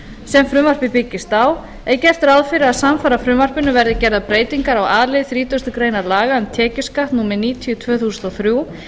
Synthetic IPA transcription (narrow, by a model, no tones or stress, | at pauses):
sɛmfɾʏmvar̥pɪpɪcːɪst̪aːw | ɛɾcɛɾ̥t̪ʏɾaðfɪɾɪaðsamfaːɾafɾʏmvar̥pɪnʏvɛɾðɪcɛɾðapɾeːjt̪iŋkaɾawaːðlɪðθɾiːt̪ʏst̪ʏkɾeːjnaɾlaːɣaʏnt̪ʰɛːcɪskaht̪nuːmɛɾniːt̪ʰiʏt̪ʰvœːθuːsʏnt̪ɔθɾju